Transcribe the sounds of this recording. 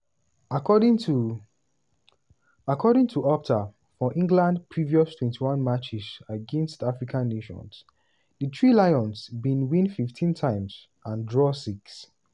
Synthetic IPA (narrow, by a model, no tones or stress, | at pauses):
akɔd | akʰɔɾĩŋtʰuɔp̚tʰa | fɔʔĩŋɡlãndpʰɹiviɔstʰwɛ̃ntʰiwãnmat͡ʃisəɡɛ̃nstafɹikʰãnːeʃɔ̰̃ns | dətʰɹilaɪɔ̃nsbĩnwĩnfiftʰĩntʰãɪ̃ms | ãndɹɔsiks